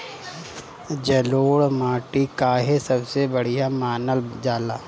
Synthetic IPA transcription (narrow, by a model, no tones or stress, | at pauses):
d͡ʒɐloːɽmaːʈikaɦesɐbsebɐɽ̤ijamaːnəld͡ʒaːlaː